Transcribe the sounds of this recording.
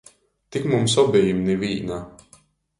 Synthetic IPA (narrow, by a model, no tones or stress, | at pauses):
t̪ikmumsɔbijimniviːna